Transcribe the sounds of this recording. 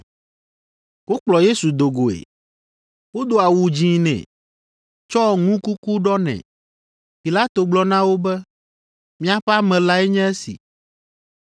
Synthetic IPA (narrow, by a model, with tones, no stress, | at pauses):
wo˦k͡plɔ˨je˦su˨d̪o˨ɡo˨ḛ˨ | wo˦d̪o˨a˨wu˨d͡ʑĩ˦nɛ̰̃˨ | t͡ʃɔ˦˨ŋũ˦ku˦ku˦ɖɔ˦nɛ̰̃˨ | pi˨la˦t̪o˨ɡ͡blɔ˦nã˦wo˦bɛ˦ | mĩ˦a˦ɸɛ˦a˦mɛ̃˨la˦ɛ˦ɲɛ̃˦ɛ˦sḭ˨